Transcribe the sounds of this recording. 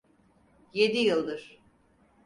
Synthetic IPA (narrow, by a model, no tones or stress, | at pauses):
je̞d̪ijɯlˠd̪ɯɾ̥